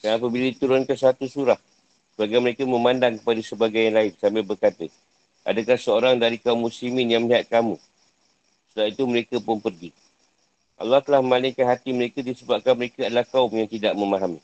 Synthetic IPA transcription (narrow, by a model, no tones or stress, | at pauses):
aap̬əbilədit̪uɾʊnkanswat̪usuɾah | səbaɡajməɾekəmə̃mãndaŋkə̥padəsəbaɡajaŋlaɪnsamabərkat̪ə | ʔa̰dəkahsəoɾaŋdaɾikaumːuslimɪnjaŋməliɦat̪̚kamũ | sədat̪it̪uməɾekəpʊnpərɡi | ʔa̰lːɑht̪əlahməmalɪŋkanɦat̪iməɾekədisəbap̚kanməɾekəadəlahkaʊmjaŋt̪idaʔ̚məmaɦami